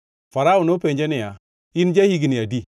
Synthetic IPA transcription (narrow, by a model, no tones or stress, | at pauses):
faɾaunopeɲd͡ʒenija | ind͡ʒahiɡinijadi